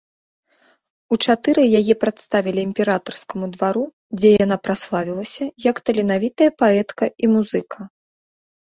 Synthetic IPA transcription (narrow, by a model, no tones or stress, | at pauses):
ut͡ʂat̪ɨɾɨjajɛpɾat̪st̪avʲilʲiːmʲpʲɛɾat̪ɐrskɐmud̪vaɾu | d͡zʲɛjan̪apɾaslˠavʲilˠɐsʲɐjɐkt̪ɐlʲɛnavʲit̪ɐjɐpaɛt̪kɐimuzɨkʰɐ